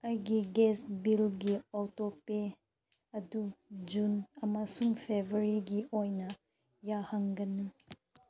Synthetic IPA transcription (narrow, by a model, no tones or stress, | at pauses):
ajɡiɡɛsbilɡiɔtope | ɐdud͡ʒunɐmasuŋpʰebəɾiɡiʔɔjnɐ | jahaŋɡɐnu